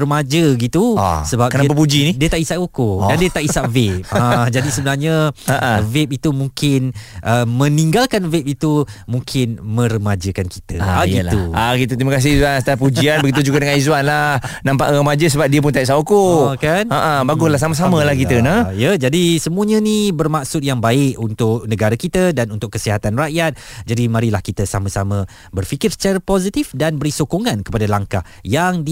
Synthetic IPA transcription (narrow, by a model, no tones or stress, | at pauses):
rəmad͡ʒəɡit̪ṵsəbap̚kənap̬ap̬ud͡ʒinidiət̪aʔisaʔokodandiət̪aʔisaʔvɛp̚ad͡ʒadisəbənarɲəə̃vɛp̚it̪umũŋkɪnʔəmə̃niŋɡalkanvɛp̚it̪umũŋkʰɪnmə̃ɾəmad͡ʒəkanki̥t̪ə̰aiɡiluaɡit̪ut̪ɾimakas̬ɪizuanst̪apud͡ʒtianbəɡit̪ud͡ʒuɡadəŋanizuanlahnãmpa̰ʔrəmad͡ʒəs̬əbap̚diəp̬ʊnt̪aiʔsaokokanaʔəbaɡʊslahs̬aməs̬amə̃lahkit̪ənəjəd͡ʒadisəmũəɲə̃nibərmaksʊt̪̚jaŋbaɪkunt̪ʊk̚nə̃ɡaɾakit̪ədanunt̪ʊkːəsiɦat̪anraʔjat̪̚d͡ʒadimãɾilahkit̪əsamə̃samə̃ | bərfikɪrsə̥t͡ʃaɾəpozit̪ifdanbəɾisokoŋãnkə̥padalaŋkah | jaŋdi